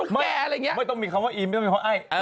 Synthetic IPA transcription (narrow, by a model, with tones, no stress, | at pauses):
ma˧˥˩ləː˧ŋi˦˥maː˧˥˩jt̪ɔ˥˩ŋmi˧kʰa˧˩waː˧˥˩ʔiː˧m˥˩˧ɔ˥˧mːʰ˧a˧ʔa˧˥˩j